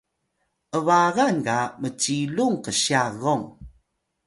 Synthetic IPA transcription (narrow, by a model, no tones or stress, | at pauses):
ʔəvaɣankamət͡ɕiluŋkəɕjaɣoŋ